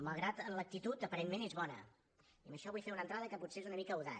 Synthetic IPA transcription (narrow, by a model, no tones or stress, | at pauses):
məlˠɣɾat̪ənlək̚t̪it̪ut̪əpəɾenmenezβɔnə̰ | iəmbəʃɔβujfeɾunə̃nt̪ɾaðəkəput̪seezunəmikəuða̰